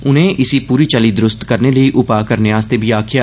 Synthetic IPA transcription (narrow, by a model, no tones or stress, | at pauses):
ʊn̤ẽːʔɪsiːpuːɾiːt͡ʃəlid̪ɾʊst̪kəɾneːləiʔʊpaːkəɾneaːst̪ebʱiːaːkʰɪja